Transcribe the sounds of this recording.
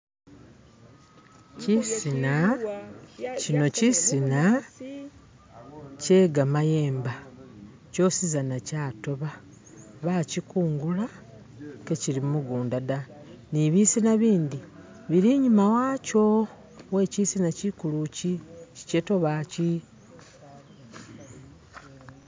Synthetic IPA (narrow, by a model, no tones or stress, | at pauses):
cisina | cino̞cisina | ce̞ːɡamaje̞ːmba | co̞ːsizanacaːto̞βa | βacikuːŋɡula | ke̞cilimuɡuːndada | niβisinaβiːndi | βiɾiɲumawaːco̞ | we̞cisinacikulucici̥ceto̞βaci